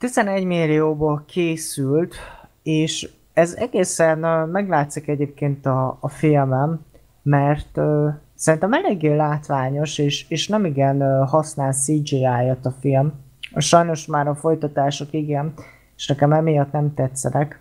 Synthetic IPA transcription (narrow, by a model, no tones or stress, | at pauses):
t̪izɛnɛɟmilːioːboːlkʰeːsylt̪ | eːʃ | ɛzɛɡeːsɛnːmɛɡlaːt̪sikɛɟeːp̚keːnt̪ɒːfilmɛmː | ɛrt̪øsɛɾint̪ɛmɛleːɡeːlaːt̪ʋaːɲo̞ʃeːʃeːʃnɛmiɡɛnɦɒsnaːlsiːd͡ʒiaːjɒt̪ɒfilm | ʃɒjno̞ʃmaːɾɒfo̞jt̪ɒt̪aːʃokiɡɛn | eʃnɛkɛmɛmijɒt̪nɛmt̪ɛt̪sːɛnɛk